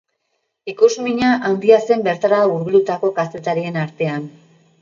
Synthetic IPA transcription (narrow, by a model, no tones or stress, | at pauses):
ikuzmiɲaʔand̪iase̞mbe̞ɾt̪aɾauɾɣulut̪ako̞kast̪e̞t̪aɾie̞naɾt̪e̞an